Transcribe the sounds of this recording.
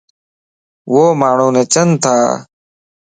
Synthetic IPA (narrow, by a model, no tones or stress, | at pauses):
ʋoːmaːɳ̤ũːneːt͡ʃənt̪ʰaː